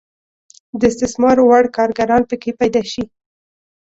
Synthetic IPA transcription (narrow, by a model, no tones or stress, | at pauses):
d̪əɪst̪ɪsmɑɾwaɽkɑɾɡaɾɑnpəkepajd̪ɑʃi